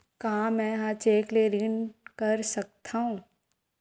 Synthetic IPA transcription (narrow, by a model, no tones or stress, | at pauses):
kaɦãmɛ̃ːɦat͡ʃeːkleɾɪnkɐɾsɐk̚t̪ʰaɦũː